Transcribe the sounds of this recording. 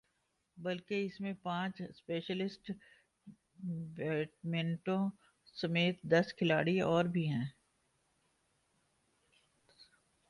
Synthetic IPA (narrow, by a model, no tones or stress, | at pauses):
bɐlkeɪsmẽpãːt͡ʃspeːʃəlɪsʈ | ʋɛːʈmẽːɳʈõ | sɐmeːt̪̚d̪ɐskʰɪlaːɽiɔːɾbʱiɦɛ̃ː